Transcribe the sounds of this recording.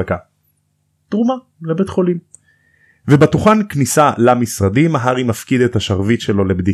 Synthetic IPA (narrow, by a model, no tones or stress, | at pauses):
ka | t̪ʁuma | lebet̪χo̞lim | vebatuχanknisalamisʁad̪imaɦaʁimafkid̪et̪aʃaʁvitʃelo̞lebd̪i